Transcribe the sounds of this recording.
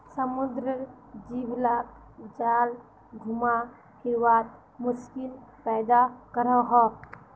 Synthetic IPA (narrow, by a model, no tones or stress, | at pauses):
səmud̪ɾə | d͡ʒiblak | d͡ʒal | ɡʱuma | hʰiɾwat̪ | muskilpɛjd̪akəɾəɦɔ